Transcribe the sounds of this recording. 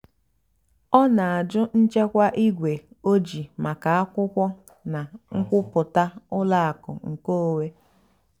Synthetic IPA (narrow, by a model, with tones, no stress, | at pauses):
ɔ˦na˨a˨d͡ʒʊ˦n̩˦t͡ʃe˦kʷa˦ʔi˦ɡʷe˨ | o˦d͡ʒi˨ma˨ka˨a˦kʷʊ˦kʷɔ˦ | na˨ŋ̩˦kʷʊ˦pʊ˨ta˦ʊ˦la˦a˨kʊ̰˨ŋ̩˨ko˦˨we˦